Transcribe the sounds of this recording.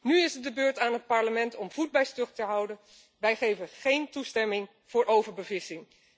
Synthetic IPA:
nyɪsət̚dəbøːɹtaːnɦət̚pɑɹləmɛntɔmv̥ud̚bɛjstɵχtəɦʌwdən | ʋɛjχejvənχejntustɛmɪŋ | v̥ʊːɹʔowvəɹbəvɪsɪŋ

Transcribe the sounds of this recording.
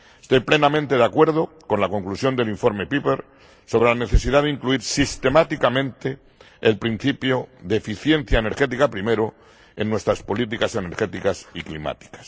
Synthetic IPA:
e̥st̪o̞jple̞namẽnt̪e̞ðakwe̞ɾð̞o̞ | ko̞nlako̞ŋklusjo̞nd̪e̞liɱfo̞ɾme̞pipeɾ | so̞β̞ɾe̞lane̞θe̞siðaðeiŋkluiɾsist̪e̞mat̪ikamẽ̞nt̪e | elpɾin̟θipjoðeefiθje̞nθjaene̞ɾxe̞t̪̬ikapɾime̞ɾo | e̞nːwe̞st̪ɾaspo̞lit̪̬ikase̞ne̞ɾxe̞t̪ikasiklima̰t̪i̥kḁs

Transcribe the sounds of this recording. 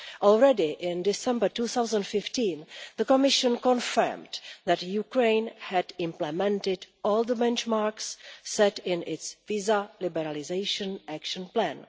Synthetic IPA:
ʔɔlɹɛdɪʔɪ̃ndɪsɛ̃mbətuːθawzə̃ntfɪftĩːnðəkomɪʃə̃nkɔ̃nfə̰ɹmdðɛtjukɹẽjnhɛdɪ̃mplɛmɛ̃ntɪdʔɔːlðəbɛ̃nt͡ʃmaɹksːɛtɪ̃nɪtsvizalɪbɛɾalɪzejʃə̃nʔækʃə̃nplæ̃n

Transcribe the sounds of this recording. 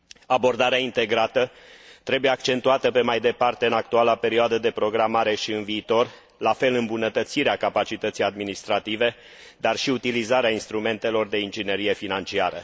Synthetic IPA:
abo̞rd̪aɾeaint̪e̞ɡɾat̪ə | t̪ɾe̞bujeakt͡ʃe̞nt̪uat̪əpe̞majd̪e̞part̪e̞ɨnak̚t̪ualape̞ɾioad̪əd̪e̞pɾo̞ɡɾamaɾe̞ʃiɨnviːt̪o̞r | lafe̞lɨmbunət̪ət̪siɾeakapat͡ʃit̪ət̪sijad̪minist̪ɾat̪ive̞ | d̪arʃiut̪ilizaɾeainst̪ɾume̞nt̪e̞lo̞rd̪e̞ind͡ʒine̞ɾije̞finant͡ʃiaɾə̰

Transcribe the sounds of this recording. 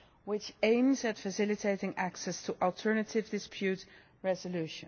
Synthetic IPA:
wɪt͡ʃẽɪ̃mzɨtfəsɪlɨtʰeɪtɪ̃ŋæksɛstʰəʔɔlˠtʰɜ˞nətʰɪvdɪspʰjʉt | ɹɛzəlʉʃə̃n

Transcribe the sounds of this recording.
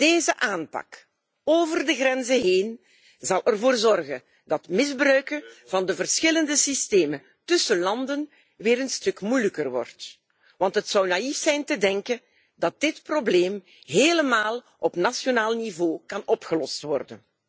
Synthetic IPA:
d̥eːzəʔaːnpɑ̰k | oːvərdəɣɾɛnzəɦeːn | zɑlˠʔərvoːrzɔrɣən | dɑtmɪzbrœɥkəvɑndəvərsxɪləndəsisteːmən | tɵsəlɑndən | ʋeːɾənstɵkmujləkərʋɔ̰rt | ʋɑntɦətsɔwnaifsɛjntədɛŋkən | dɑt̚dɪtprobleːm | ɦeːləmaːlˠ | ʔɔpnasjonaːlˠnivoːkɑnɔpxəlɔstʋɔrdə̰n

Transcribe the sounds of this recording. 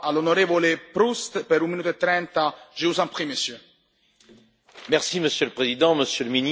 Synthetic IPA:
alonoɾevolepɾust̪peɾũmːinut̪oet̪ːɾɛnt̪aʒ̥evuzãmpχimesjø | mɛʁsiməsjøləpχezid̪ɑ̃məsjøləmini

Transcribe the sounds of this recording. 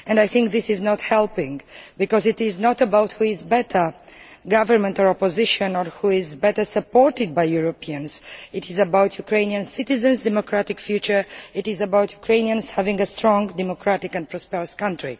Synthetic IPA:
ɛ̃ndajθɪ̃ŋk̚ðɪsɪznɔthɛlˠpɪ̃ŋbikɔzɪtɪznɔtəbawthuɪzbɛtʰə˞ɡavəɹmɛ̃ntɔɹɔpɔzɪʃə̃nɔɹhuɪzbɛtə˞səpɔɹtɪd̚bajjuɹopʰiə̃nsɪtɪzəbawtʰjukɹẽɪ̃niãnsɪtɪzə̃nsdɛmokɹatɪkfjut͡ʃə˞ɪtɪzəbawtʰjukʰɹẽɪ̃niə̃nshævɪ̃ŋɡəstɹɔ̃ŋdɛmokʰɹatɪkɛ̃npʰɹɔspɛɹəskʌ̃ntɹḭ

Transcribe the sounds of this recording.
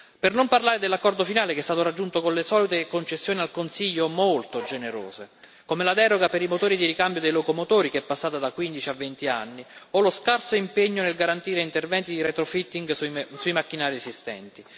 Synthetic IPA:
pernomparlaːɾed̪elakːɔrd̪ofinaːlekɛst̪aːt̪oɾad͡ʒːunt̪okonlesɔːlit̪ekont͡ʃesːjoːnialkonsiʎːomolt̪od͡ʒeneɾo̰ːze | komelad̪ɛːɾoɡapeɾimot̪oːɾid̪iɾikambjod̪ejlokomot̪oːɾikeɛpːasːaːt̪ad̪akwind̪it͡ʃiavːent̪ia̰nːioloskarsoimpeɲːonelɡaɾant̪iːɾeint̪ervɛnt̪id̪iɾet̪ɾofit̪ːiŋɡsuimakːinaːɾiesist̪ɛ̰nt̪i

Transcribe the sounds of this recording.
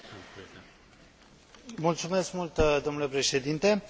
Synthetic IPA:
mult̪sume̞skmult̪d̪omnulepɾe̞ʃe̞d̪int̪e̞

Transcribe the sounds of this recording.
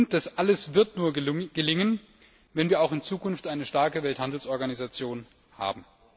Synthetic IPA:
nt̚d̥asʔaləsv̥ɪɐtnuːɐɡ̥əlɪŋən | vɛnviːɐaʊxɪnt͡suːkʊnftʔaɪnəʃtaɐkəvɛlthandl̩sʔɔɐɡanizat͡sjoːn | ha̰ːbm̩

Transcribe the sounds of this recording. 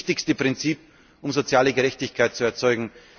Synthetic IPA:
tɪçstəpʁ̥ɪnt͡siːp̚ | ʔʊmzot͡sjaːləɡəʁɛçtɪçkʰaɪt̚t͡suɛɐt͡sɔʏɡŋ̩

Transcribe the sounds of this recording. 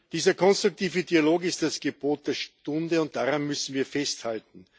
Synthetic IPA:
d̥iːzɐkʰɔnstʁ̥ʊk̚tʰiːvədialoːkɪstd̥asɡ̥əboːt̚d̥eːɐʃtʊndəʊnt̚d̥aːʁanmʏsn̩viːɐfɛsthaltn̩

